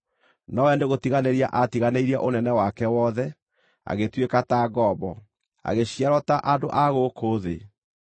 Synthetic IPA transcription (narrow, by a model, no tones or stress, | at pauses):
nɔwɛndeɣotiɣaneɾia̰ʔatiɣaneiɾia̰ʔonɛnɛwakɛwɔðɛ | a̰ɣetwekataɣɔbɔ | a̰ɣeɕiaɾɔtaʔandoʔaɣokʰoðḛ